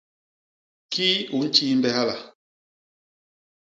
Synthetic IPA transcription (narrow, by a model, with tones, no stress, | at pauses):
kʰi˦u˨n̩˦t͡ʃi˦m˦bɛ˨ha˦la˨